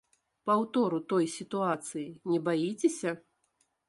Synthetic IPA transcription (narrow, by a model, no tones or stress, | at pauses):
pawt̪ɔɾut̪ɔjsʲit̪uat̪sɨjinʲɛbajit͡sʲɛsʲɐ